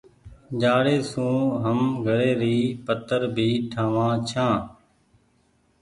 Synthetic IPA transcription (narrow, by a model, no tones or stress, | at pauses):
d͡ʒaːɽeːsũːɦəmɡʱəɽeːɾiːpət̪əɾbʱiːʈʰaːʋãːt͡ʃʰãː